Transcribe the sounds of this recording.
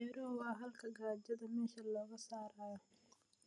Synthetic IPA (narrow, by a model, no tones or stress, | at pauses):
ɛɾɔwɑɦɐlkʰɐɡaːd͡ʒɐðɐmɛːʃɐlɔːɣɐsaːɾaːjɔ